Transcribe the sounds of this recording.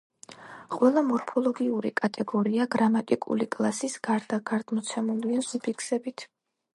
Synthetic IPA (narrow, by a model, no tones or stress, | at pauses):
qʼwɛlˠamɔɾpʰɔlˠɔɡiuɾḭkʼat̪ʼɛɡɔɾiaɡɾamat̪ʼikʼṵlikʼlˠasisɡ̥aɾd̪aɡ̥aɾd̪̥mɔt̪sʰɛmulˠdiazipʰikʰsɛbit̪ʰ